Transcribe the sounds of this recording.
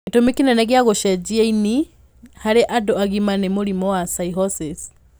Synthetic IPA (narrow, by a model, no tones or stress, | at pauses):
ketomikinɛnɛɣeaɣoʃɛd͡ʒiaini | haɾeʔadɔaɣimanemoɾimɔwasaiɦɔsɛs